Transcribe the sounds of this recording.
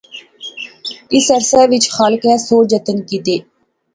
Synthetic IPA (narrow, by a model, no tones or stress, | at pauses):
ɪsəɾsɛːʋɪt͡ʃxaːlkɛːsoːd͡ʒət̪ənkit̪eː